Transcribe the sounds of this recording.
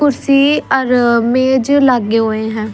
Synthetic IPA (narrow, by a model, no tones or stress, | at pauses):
ʊɾsiːɔɾmeːd͡ʒlaɡːeːɦoːeːɦɛ̃ː